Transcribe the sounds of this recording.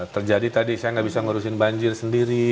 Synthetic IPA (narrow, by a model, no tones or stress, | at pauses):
t̪ərd͡ʒadit̪adisajaŋɡaʔbisaŋəɾusɪnbaɲd͡ʒɪrsəndiɾi